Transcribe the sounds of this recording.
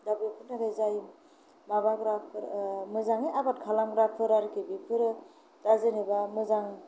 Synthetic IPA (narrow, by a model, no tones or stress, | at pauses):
dabɾɯpʰɯnaɡajzajim | mabaɡɾapʰɯɾmɯzaŋeʔabat̚kʰalamɡɾapʰɯɾaɾkibipʰɯɾɯ | d̥azɯnibamɯzaŋ